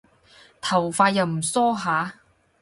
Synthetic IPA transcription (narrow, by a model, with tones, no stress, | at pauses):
t̪ʰɐ˨˩wfaː˧jɐ˨˩wm̩˨˩sɔː˥ɦaː˨˧˥